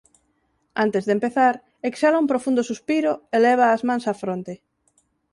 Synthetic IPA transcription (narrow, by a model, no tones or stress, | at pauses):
ant̪ezðempeθaɾ | eksalaũmpɾofund̪ʊsuspiɾʊelɛβ̞aːzmãnsafɾont̪e